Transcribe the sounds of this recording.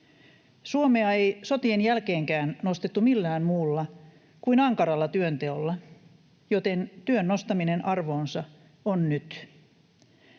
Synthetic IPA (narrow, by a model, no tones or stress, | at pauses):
suomeɑejso̞t̪ienjælke̞ːŋkæːnno̞st̪et̪ːumilːæːmmuːlːɑ | kuinɑŋkɑɾɑlːɑt̪yønt̪e̞olːɑ | jot̪e̞nt̪yønːost̪ɑminenʔɑrʋo̞ːnsɑ | onnyt̪